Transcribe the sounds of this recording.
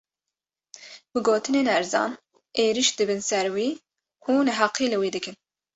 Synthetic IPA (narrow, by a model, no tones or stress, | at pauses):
bɨɡoːt̪ɨneːnɛɾzɑ̰ːn | eːɾiʃd̪ɨbɨnsɛɾwiː | kʰuːnɨɦɑqiːlɨwiːd̪ɨkɨn